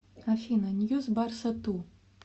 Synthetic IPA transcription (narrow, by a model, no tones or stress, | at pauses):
afʲinɐnʲjuzbarsɐt̪u